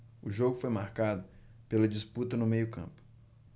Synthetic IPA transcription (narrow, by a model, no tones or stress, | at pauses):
ʊʒoɡʊfojmaɾkad̪ʊ | pelɐd͡ʒɪsput̪ɐnʊmejʊkɐ̰̃pʊ̥